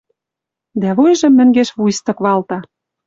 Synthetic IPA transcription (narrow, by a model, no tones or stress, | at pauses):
d̪æβojʒə̆mːɘ̆ŋɡeʃβujst̪ɤ̆kβɑlt̪ɑ